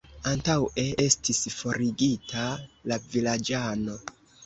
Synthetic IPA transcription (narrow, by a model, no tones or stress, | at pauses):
antawe̞e̞stisfo̞ɾiɡitʰalavilad͡ʒano̞